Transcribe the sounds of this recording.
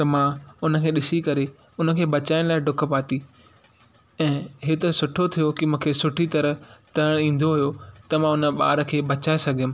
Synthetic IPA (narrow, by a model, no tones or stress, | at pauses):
t̪ɐmãʊnə̆kʰeːɗɪsikɐɾe | ʊnə̆kʰeːbɐt͡ɕaːɪɽ̃laːɪɖʊkʰə̆paːt̪i | ɛ̃ːɦeːt̪əsʊʈʰot̪ʰijokimũːkʰeːsʊʈʰit̪ɐɾəɦt̪ɐəɽ̃ĩːn̆d̪oɦʊjot̪ɐmãʊnə̆ɓa̰ːɾə̆kʰeːbɐt͡ɕaːesɐɡʱjɪ̃m̃